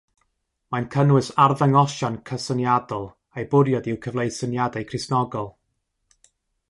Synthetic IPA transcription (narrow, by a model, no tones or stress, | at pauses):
mankʰənwɨsarðɛŋɔʃankʰəsənjadɔlˠ | ejbʊɾjɔdiwkʰəvlˠejsənjadajkʰrɪsnɔɡɔlˠ